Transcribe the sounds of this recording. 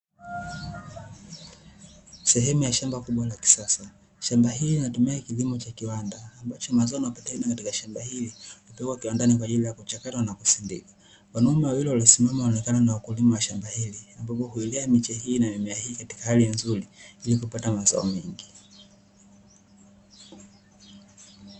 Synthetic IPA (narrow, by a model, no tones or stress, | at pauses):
sɛɦɛmujaʃambakuɓwalaki̥sasa | ʃambaɦiliinatumiakilimɔt͡ʃakiwandaːmbat͡ʃɔmazaɔnaapatainakatikaʃambahilihupɛɡwakiwandanik̬waʄilijakut͡ʃakatwanakusindḭkḁ | kwanaumɛwawilɛwalisimamaɔnɛkananawakulimawaʃambahiliambapɔhuiliamit͡ʃɛɦiːnamimɛahiːkati̥kahalinzuɾiilikupatamaza̰ɔmɛŋɡi